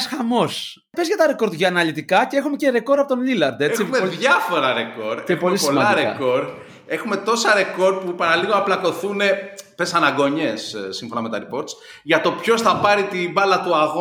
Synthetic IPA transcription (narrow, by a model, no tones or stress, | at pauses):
sxɐmo̞s | pe̞zʝɐt̪ɐɾeko̞ɾd̪ʝɐːnɐlit̪ikɐceexumece̞ɾe̞ko̞ɾɐpo̞t̪onlilɐɾd̪e̞t͡sieðʝɐfo̞ɾɐɾekoɾd̪epo̞lisiolmɐdɐɾekɐ̰ko̞ɾd̪ | e̞xume̞t̪osɐɾe̞ko̞ɾd̪̚pupɐɾɐliɣonɐplɐko̞θunepesɐnɐɡo̞ɲe̞sːiɱfo̞nɐme̞t̪ɐɾipo̞ɾt̪sʝɐt̪o̞pço̞sθɐpɐɾit̪ibɐlɐt̪uɐɣo